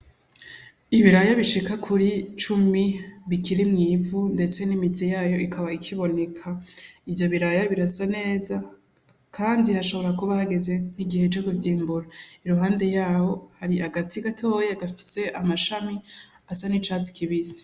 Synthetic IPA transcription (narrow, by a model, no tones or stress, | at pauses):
iβiɾajaβiʃikakʰuɾit͡ʃumiβikʰiɾimŋiːvunde̞t͡se̞nimizijaːjo̞ʔikʰaβaikʰiβo̞ne̞kʰaivjo̞βiɾajaβiɾasane̞ːza | kʰaːndihaʃo̞βo̞ɾakuβahaɡe̞ze̞niɡihe̞d͡ʒoɡuvjiːmbuɾaiɾuɦaːnde̞jaːho̞haɾiʔaɡatiɡatʰo̞ːjeaɡafi̥se̞ʔamaʃami | asanit͡ʃaːzi̥kʰiβizi̥